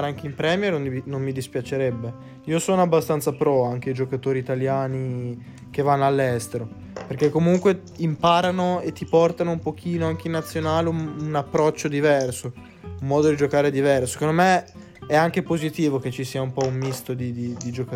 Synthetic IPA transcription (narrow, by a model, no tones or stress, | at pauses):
ɾaŋkeimpɾɛːmjernoniinomːid̪ispjat͡ʃeɾɛbːe | iːosonoabːast̪ant̪sapɾɔaŋk̟eid͡ʒokat̪oːɾiːt̪aljaːni | k̟evːanːoalːɛst̪eɾo | perk̟ekːomuŋkwe | impaːɾanoet̪ːipɔrt̪anoumpok̟ʰiːnoaŋk̟einːat̪sːjonaːleuunapːɾɔt͡ʃːod̪ivɛrso | umːɔːd̪od̪id͡ʒokaːɾed̪ivɛrsose̥kond̪ome | ɛaŋk̟epozit̪iːvok̟et͡ʃːisiːaumpɔumːist̪od̪id̪id̪id͡ʒok